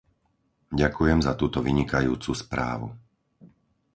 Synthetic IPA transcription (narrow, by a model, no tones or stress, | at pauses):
ɟakujɛmzat̪uːt̪ɔʋiɲikajṵːt͡suspɾa̰ːʋu